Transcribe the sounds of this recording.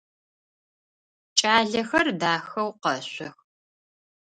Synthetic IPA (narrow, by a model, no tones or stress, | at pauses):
t͡ʃʼaːɮɐxɐrdaːxɐwqɐɕʷɔx